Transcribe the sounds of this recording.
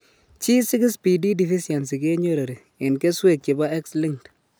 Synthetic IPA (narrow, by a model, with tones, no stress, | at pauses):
t͡ʃi˦sɪ˦kɪ˦spi˨di˦di˨fi˦si˨a˨ns̬i˨ke˦ɲo˦ɾe˨ɾi˨ | ɪ˨nke˦swe˦˨k̚t͡ʃi˨ba˦ɛ˦ksli˦ŋkt